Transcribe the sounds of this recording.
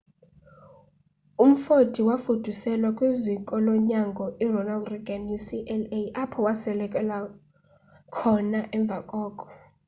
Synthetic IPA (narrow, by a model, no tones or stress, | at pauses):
um̩fod̥ʱiwafud̥ʱusɛlwakʼwiziŋkʼɔlɔɲaŋɡʱɔʔirɔnaldriɡanjusiʔɛleʔapʰɔwasɛlɛkʼɛla | kʰɔnaʔɛɱb̪vʱakʼɔːkʼɔ̥